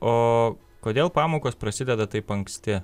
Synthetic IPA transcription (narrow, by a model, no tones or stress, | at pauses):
oː | koːd̪ʲeːlˠpɑːmoːkoːspɾɐsʲɪd̪ʲɛd̪ɐt̪ɐɪpɐŋksʲt̪ʲɪ